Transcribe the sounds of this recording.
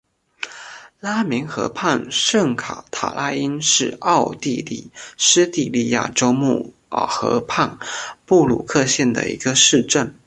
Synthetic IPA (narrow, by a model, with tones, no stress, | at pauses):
la˥mi˧˥ŋxɤ̰˧˥pʰa˥˧nʂə˥˩ŋkʰa̰˨˩t̪ʰa̰˨˩la˥i˥nʂɻ̩˥˧ɑ˥˧ʊt̪i˥˧lḭ˥˩ʂɻ̩˥t̪i˥˧li˥˧ja̰˥˩ʈ͡ʂo˥ʊmu˥˩ | xɤ̰˧˥pʰa˥˧npu˥˩lṵ˨˩kʰɤ˥˧ɕjɛ˥˩nd̪ə̰˩ḭ˧˥ɡə˧ʂɻ̩˥˧ʈ͡ʂə˥˩n